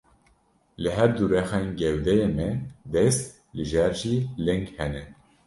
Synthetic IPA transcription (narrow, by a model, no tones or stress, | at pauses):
lɨɦɛɾd̪uɾɛxeːnɡɛwd̪ɛjeːmɛd̪ɛst̪ | lɨʒæɾʒiːlɨŋɡhɛnɛ